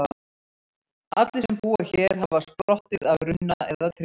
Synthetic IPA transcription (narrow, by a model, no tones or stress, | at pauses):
at̪lɪsɛmpuːaçɛːɾ̥ɦavaspɾɔht̪ɪðaðɾʏnːa̰ɛðat̪ʰɾ